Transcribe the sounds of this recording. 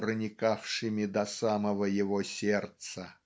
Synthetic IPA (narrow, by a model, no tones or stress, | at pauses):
rənʲɪkafʂɨmʲɪd̪ɐsaməvəjɪvosʲert̪sə